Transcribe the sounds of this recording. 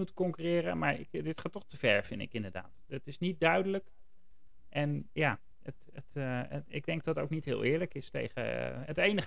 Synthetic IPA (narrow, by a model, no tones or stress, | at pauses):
utəkɔŋkyrɪːrəmaːɹɪ̰dɪtχaːtɔχtəv̥ɛɹvɪndɪ̰kɪndəɹda̰ːtdɪtɪsnit̚dœɥdələk | ʔɛnjaː | ət | ətɪ̰ɡ̚dɛŋɡ̚dɑto̰wknitɦɪ̰ːlˠɪːɹləkɪstḛjχə̰ətejnəχ